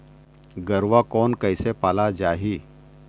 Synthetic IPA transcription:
ɡəɾʋakɔnkəjsepalad͡ʑaɦi

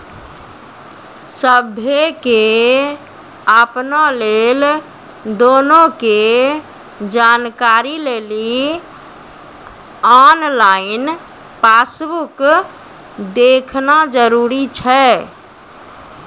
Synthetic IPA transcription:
səbʱeke | əpnalel | d̪onoke | d͡ʒankaɾileli | ɔnlain | pasbuk | d̪ekʰnad͡ʒəɾuɾit͡ʃʰɛ

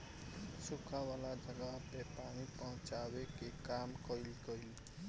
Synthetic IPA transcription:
sukʰawalad͡ʒʌɡapepanipʌɦʊ̃t͡ʃawekekamkʌilkʌil

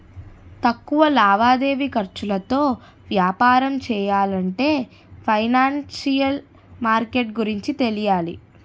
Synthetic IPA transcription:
t̪ɐkːuʋɐlaːʋaːd̪e̞ːʋikɐɾt͡ʃulɐt̪o̞ː | ʋjaːpaːɾɐmt͡ʃɛːjaːlɐɳʈe̞ː | pʰɐjnaːnsijɐl | maːɾkeʈ̚ɡuɾiɲt͡ʃit̪elijaːlḭ

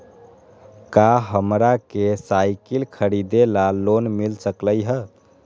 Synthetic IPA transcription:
kaɦəmɾakesajkilkʰəɾid̪elalonmilsəkləjɦə

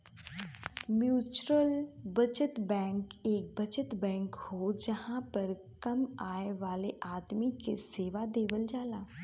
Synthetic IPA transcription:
mjuːt͡ʃɾəlbɐt͡ʃət̪bɛ̃ːŋkeːk̚bɐt͡ʃət̪bɛ̃ːŋkhod͡ʒɐhãpɐɾ | kɐmaːeʋaːleʔaːd̪mikḛseːʋad̪eːʋəld͡ʒaːlaː

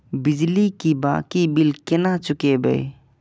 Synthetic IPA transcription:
bɪd͡ʒlikiba̰ːkibɪlkɪnat͡ʃʊkebə̰i

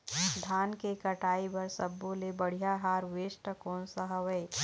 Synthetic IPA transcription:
d̪ʱaːnkekɐʈaːibɐɾsɐbːolebəɽ̤ijaɦaːɾʋeːʃʈəkoːnsəɦəʋəe

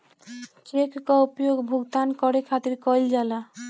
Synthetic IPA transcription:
t͡ʃekkɔupjoɡbʱuɡd̪ankɔɾekʰat̪iɾkɔjld͡ʒala

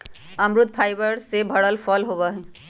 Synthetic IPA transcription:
əmɾʊd̪̚pʰaːɪbəɾsebʱəɽəlpʰɔlɦobəɦɛ̃

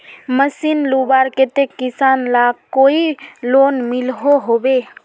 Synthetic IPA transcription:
məsinlubaɾket̪ekɪsaːnlakoiloːnmɪlɦoɦoːbe

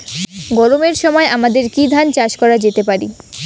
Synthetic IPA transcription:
ɡɔɾomeɾʃɔmɔeʔamad̪eɾkid̪ʱant͡ɕaʃkɔɾad͡ʑet̪epaɾi

